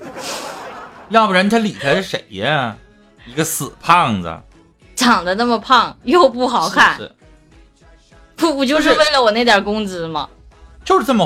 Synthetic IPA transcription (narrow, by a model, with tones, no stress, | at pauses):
jɑ˥˩bɻə˧˥nt̪ʰa˥li˨˩t̪ʰa˧˥˧ʂe˨˩ɪə˦ | i˧˥ɡə˧sɹ̩˨˩pʰɑ˥˩ŋd͡zə̰˩ | ʈ͡ʂɑ˨˩ŋd̪ə˦na˥˩mə˩pʰɑ˥˩ŋjo˥˧ʊpu˥˩xɑ˨˩ʊkʰa˥˩n̩̰˥˩ | fu˥˧fu˥˩t͡ɕjo˥˧ʊʂ̬ɻ̩˥˧we˥˩ɪlə˩wɔ˨˩na˥˩ɪt̪jɑ˨˩kʊ˥ŋt͡sɹ̩˧mɐ̰˨ | t͡ɕjo˥˧ʂɻ̩˥˩nə˥˩mə˧˩